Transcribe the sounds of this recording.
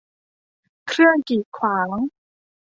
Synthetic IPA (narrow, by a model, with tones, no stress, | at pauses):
kʰɾɯ˥˩əŋkiː˨˩kʰwaː˩˦ŋ